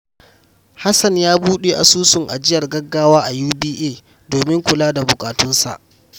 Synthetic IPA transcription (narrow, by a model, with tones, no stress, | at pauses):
ha˦sɐ˨ɲjaː˦buː˦ɗe˨ʔa̰˨suː˦sʊ˨ŋʔa̰˨d͡ʒɪ˦jɐ˨rɡɐ˦ɡːaː˦waː˦ʔa˨juː˦biː˦ʔeː˦˨ | doː˨mɪ˦ŋkʷʊ˨laː˦da˨bʊ˨kʼaː˨tʊ˦nsa̰˨ʔ